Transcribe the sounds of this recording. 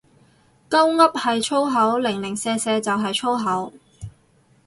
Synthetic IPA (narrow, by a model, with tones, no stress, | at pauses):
kɐ˥wŋɐ˥p̚hɐ˨jt͡ʃʰo˥wɦɐ˨˥wlɪ˨˩ŋlɪ˨˩ŋsɛː˧sɛː˧t͡sɐ˨wɦɐ˨jt͡ʃʰo˥wɦɐ˨˥w